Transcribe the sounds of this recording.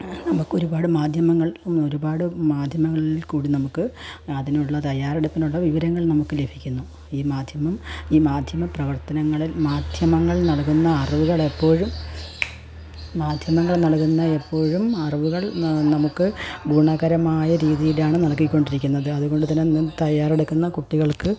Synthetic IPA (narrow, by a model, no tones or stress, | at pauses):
nɐmukːoɾubaːɽɨmaːd̪ʱjɐmɐŋːɐɭo̞ɾubaːɽɨmaːd̪ʱjɐmɐŋːɐɭilkuːɽinɐmukːɨɐðinɐjuɭːɐt̪ɐjaːɾeɽɐpːinuɭːɐʋiʋɐɾɐŋːɐɭnɐmukːɨle̞bʱikʲːunːu | iːmaːd̪ʱjɐmɐmiːmaːd̪ʱjɐmɐprɐʋɐrt̪ɐnɐŋːɐɭilmaːd̪ʱjɐmɐŋːɐɭnɐɭkunːɐɐrʋuɣɐɭe̞pːo̞ːɻum | maːd̪ʱjɐmɐŋːɐɭnɐɭkunːɐe̞pːo̞ːɻumɐrʋuɣɐɭnɐmukːɨɡʱuːɳaɣɐɾɐmaːjɐɾiːðijilaːɳɨnɐɭkːikʲːo̞ɳɖiɾikʲːunːɐðɨɐðuɣo̞ɳɖɨt̪̬ɐnːent̪ɐjaːreɽukːunːɐkuʈːiɣɐɭkɨ